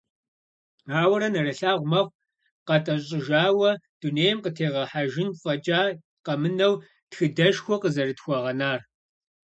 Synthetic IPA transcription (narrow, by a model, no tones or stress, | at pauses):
aːwɐɾɐnɐrɐɬaːʁʷmɐχʷ | qɐtʼɐɕʼɪʒaːwɐd̥uneːjɐmqətʰeːʁɐħaʒɪnfʼɐt͡ʃʼaː | qɐmɨnɐw | txɨdɐʃxʷɔqəzɐrɨtxʷɔʁɐnaːr